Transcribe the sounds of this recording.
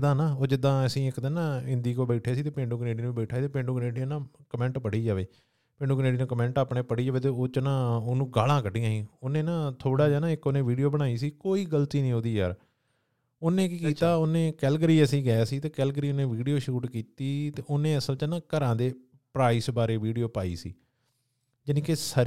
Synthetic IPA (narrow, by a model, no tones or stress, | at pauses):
d̪ãːnãːoːd͡ʒɪd̪ãːəsĩːɪkd̪ənãːɪ̃nd̪iːkoːbɛɪʈʰeːsiːt̪eːpẽːɳɖũːkəneːɖiːnũːbeːʈʰaːt̪eːpẽːɳɖũːkəneːɖiːnãːkəmɛ̃ːɳʈpəɽiːd͡ʒaːʋeː | pẽːɳɖũːkəneːɖiːnũːkəmɛ̃ːɳʈaːpɳẽːpəɽiːd͡ʒaːʋeːt̪̬eːoːt͡ʃənãːoːnũːɡaːlãːkəɖɪjãːɦĩːonẽːnãːt̪ʰoːɽaːd͡ʒaːnãːɪkːonẽːʋiːɖijoːbəɽ̃aːiːsiːkoːiːɡəlt̪iːnĩːɦoːd̪iːja̰ːɾ | oːnẽːkkiːt̪aːoːnẽːkɛːlɡəɾiːəsiːɡəaːsiːt̪eːkɛːlɡɾiːonẽːʋiːɖijoːʃuːʈkiːt̪iːt̪eːʔoːnẽːəsəlt͡ʃənãːkəɾãːd̪eː | pɾaːiːsbaːɾeːʋiːɖijoːpaːḭːsḭː | d͡ʒənĩːkesə